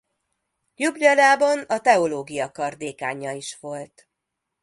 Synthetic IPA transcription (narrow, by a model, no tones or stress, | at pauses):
jublɒlaːbɒnɒt̪ɛoloːɡijɒkɒrd̪eːkaːɲɒiʃʋo̞lt̪